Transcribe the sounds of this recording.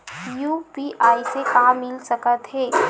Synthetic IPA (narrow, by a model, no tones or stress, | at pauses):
jupiʔaːisekamːɪlsəkət̪ɦeː